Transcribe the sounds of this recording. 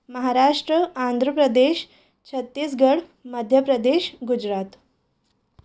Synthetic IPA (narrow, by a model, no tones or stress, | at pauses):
məɦaɾaʂʈɾəand̪ʱɾəpɾəd̪eɕ | t͡ɕʰət̪ːiːsɡəɽməd̪ʱjəpɾəd̪eɕɡud͡ʑɾat̪